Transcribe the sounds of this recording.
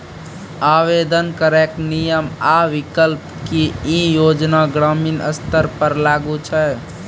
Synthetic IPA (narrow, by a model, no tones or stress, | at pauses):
aːʋeːd̪ənkəɾeknijəmaːʋɪkəlp | kiijoːd͡ʒnaɡɾaːminə̰st̪əɾpəɾlaːɡut͡ʃʰae